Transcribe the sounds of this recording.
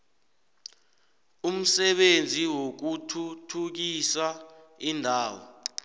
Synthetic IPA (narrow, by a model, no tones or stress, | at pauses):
um̩sɛɓend͡zʱiwok̬utʰutʰuk̬isaindʱaːwɔ̰